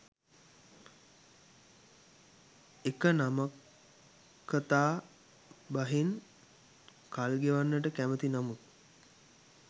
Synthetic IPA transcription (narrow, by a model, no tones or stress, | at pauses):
ekənamakʰː | ət̪aː | baɦin | kalɡeʋanːəʈəkæmət̪inamut̪̚